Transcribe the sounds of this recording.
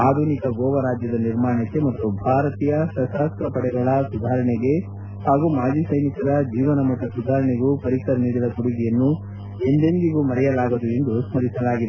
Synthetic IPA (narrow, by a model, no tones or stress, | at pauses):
aːd̪ʱuːnikɐɡoːʋɐɾaːd͡ʒjɐd̪ɐniɾmaːɳɐkːe̞mɐt̪ːubʱaːɾɐt̪iːjɐsɐsaːsk̪ɐpɐɽɛɡɐɭɐsud̪ʱaːɾɐɳɛɡe̞ | haːɡumaːd͡ʒisɐjnikɐɾɐd͡ʒiːʋɐnɐmɐt̪ːusud̪ʱaːɾɐɳeɡupɐɾikɐɾɐniːd̪ɐlɐkuɽiɡɛjɐnːu | e̞nd̪enɡ̪iɡumɐɾɛjɐlaːɡud̪ue̞nd̪usmɐɾisɐlaːɡid̪e